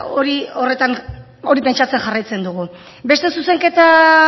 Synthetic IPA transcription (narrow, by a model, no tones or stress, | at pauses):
o̞ɾio̞re̞t̪an | o̞ɾipent͡ʃat͡se̞nxarajt͡se̞nd̪uɣu | be̞st̪e̞suse̞ŋke̞t̪a